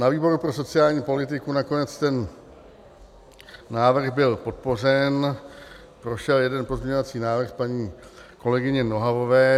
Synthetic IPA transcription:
naviːbo̞ɾupɾo̞s̬o̞t͡sɪaːlɲiːpo̞lɪt̪̬ɪkunako̞nɛt͡st̪ɛn | aːvr̩xbɪlpo̞t̪̚po̞r̝ɛn | pɾo̞ʃɛljɛdɛnpo̞zmɲɛɲo̞vat͡siːnaːvr̩xpaɲiːko̞lɛɡɪɲɛno̞ɦavo̞vɛː

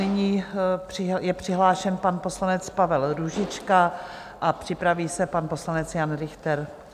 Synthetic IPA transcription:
ɪɲiːpr̥ɪjɛpr̝̥ɪɦlaːʃɛnpanpo̞slanɛt͡spavɛlɾuʒɪt͡ʃka | ʔapr̝̥ɪpɾaviːsɛpanpo̞slanɛt͡sjanɾɪxt̪ɛɾ

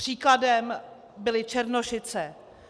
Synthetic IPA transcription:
r̥iːkladɛm | bɪlɪt͡ʃɛɾnoʃɪt͡sɛ

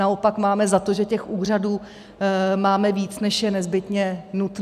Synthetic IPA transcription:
ao̞pakmaːmɛzat̪o̞ʒɛcɛxʔuːr̝aduː | maːmɛviːt͡snɛʃjɛnɛzbɪt̪ɲɛnut̪

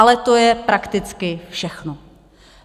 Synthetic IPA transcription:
alɛt̪o̞jɛpɾakt̪ɪt͡skɪfʃɛxno

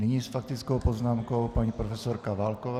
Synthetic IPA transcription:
nɪɲiːsfak̚t̪ɪt͡skowpoznaːmkowpaɲipɾofɛsoɾkavalkova

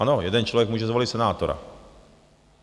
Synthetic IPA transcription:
anojɛd̪ɛnt͡ʃlovjɛkmuːʒɛzvolit̪sɛnaːt̪oɾa̰

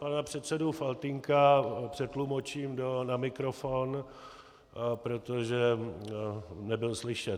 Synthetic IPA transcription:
panapr̝̥ɛt̪sɛdufalt̪ɪŋkapr̥ɛt̪lumot͡ʃiːmdonamɪkɾofon | pɾo̞t̪oʒɛ | nɛbɪlslɪʃɛt̪

